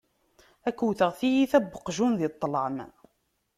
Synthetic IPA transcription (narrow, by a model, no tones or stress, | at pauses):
ækuwθəʁθijiθæbːəqʒunðit̪ˤːləʕəm